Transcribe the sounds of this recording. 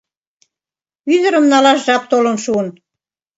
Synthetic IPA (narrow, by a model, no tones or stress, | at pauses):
yðə̆ɾə̆mnɑlɑʃʒɑp̚t̪olə̆nʃuən